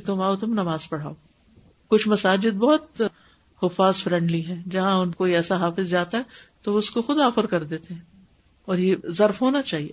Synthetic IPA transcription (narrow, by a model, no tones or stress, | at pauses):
t̪ʊmaːot̪ʊmnɐmaːzpɐɽ̤a̰ːo | kʊt͡ʃʰmɐsaːd͡ʒɪd̪̚bɔːʊt̪ | hʊfaːzfɾɛ̃ɳɖliɦɛ̃ːd͡ʒɐɦãʊnkoːiɛːsaɦaːfɪzd͡ʒaːt̪aɦɛt̪oʊskoxʊd̪aːfəɾkɐɾd̪eːt̪eɦɛ̃ː | ɔːɾjezɐɾfɦoːnat͡ʃaːɦieː